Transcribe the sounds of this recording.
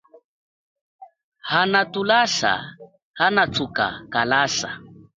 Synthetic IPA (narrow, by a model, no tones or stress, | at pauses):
hanatulasa̰ | hanat͡sʰuka̰kalasa̰